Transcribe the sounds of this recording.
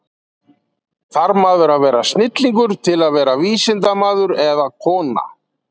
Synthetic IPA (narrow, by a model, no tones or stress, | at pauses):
θaɾmaːðʏɾaðvɛːɾast̪nɪt̪liŋkʏɾt̪ʰɪlaðvɛːɾaviːsɪnt̪amaːðʏɾɛðakʰɔːna̰